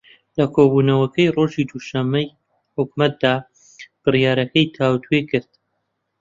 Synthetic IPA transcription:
lɐkʰoːbuːnɐwɐkʰɐjro̞ːʒiːd̪uʃɐmːɐj | hʊk̚mɐt̪̚d̪aː | b̥ɨrjaːɾɐkɐjt̪ʰaːwt̪ʰwekɨɾd̪̥

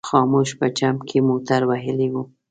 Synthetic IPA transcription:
xɑmoʃpət͡ʃamkʰemot̪aɾwaɦəleɡu

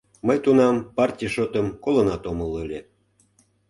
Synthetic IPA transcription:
məjt̪unɑmpɑrtʲijʃot̪əmkolənɑt̪omələlʲe

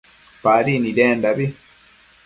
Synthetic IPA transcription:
paːɾinideːndaβi

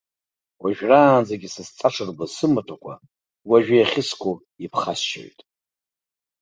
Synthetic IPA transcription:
waʒᶣraːnd͡zaɡʲisɨst͡sʼaʂʰɨrbasɨmɨtʷʰʼakʷʰa̰ | waʒᶣɪjaχʲɪskʷʰʼo | ipʰχasʃo̰jtʼ

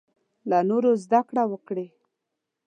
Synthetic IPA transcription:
lanoɾozd̪akɽawəkɽe

